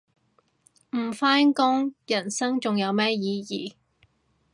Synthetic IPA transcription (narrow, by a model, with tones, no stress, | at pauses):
m̩˨˩faː˥nkʊ˥ŋjɐ˨˩nsɐ˥ŋt͡sʊ˨ŋjɐ˨˧wmɛː˥jiː˨˧jiː˨